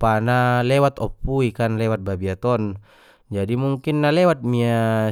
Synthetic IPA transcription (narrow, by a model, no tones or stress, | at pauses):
panalɛwat̪ɔpːuikanlɛwat̪̚babiat̪ɔn | d͡ʒadimuŋkinːalɛwat̪̚mia